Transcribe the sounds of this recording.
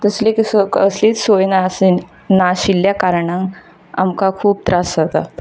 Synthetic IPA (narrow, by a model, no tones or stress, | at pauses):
t̪əsleksəsliːt͡ssojnase | naɕilːjakaɾɳãŋ | a̰mkakʰuːb̚t̪ɾasat̪a̰